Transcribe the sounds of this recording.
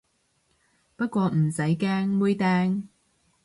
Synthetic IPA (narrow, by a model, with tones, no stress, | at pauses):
pɐ˥t̚kʷɔː˧m̩˨˩sɐ˨˥jkɛː˥ŋmuː˧˥jt̪ɛː˧ŋ